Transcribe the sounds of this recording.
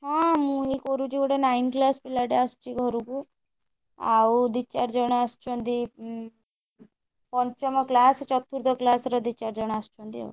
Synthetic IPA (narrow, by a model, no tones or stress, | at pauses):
ɦãmũikɔɾud͡ʒikɔʈenainklaspilaʈeast͡ʃiɡʱɔɾuku | a̰wd̪it͡ʃaɾd͡ʒɔɽ̃aast͡ʃɔnd̪i | pɔɲt͡ʃɔmɔklast͡ʃɔt̪ʰːuɾd̪ɔklasɾɔd̪it͡ʃaɾd͡ʒɔɽ̃aast͡ʃɔ̃nd̪ia̰